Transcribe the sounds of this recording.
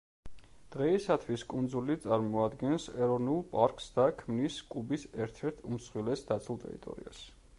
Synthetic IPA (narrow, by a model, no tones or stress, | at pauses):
d̪̥ʁɛisat̪ʰwiskʼund̪zulit̪sʼaɾmɔad̪ɡɛnsɛɾɔvnulˠpʼaɾkʼsd̪akʰmniskʼubisɛɾt̪ʰɛɾt̪ʰumsχwilɛsd̪at̪sʰulˠt̪ʼɛ̰ɾḭt̪ʼɔ̰ɾḭas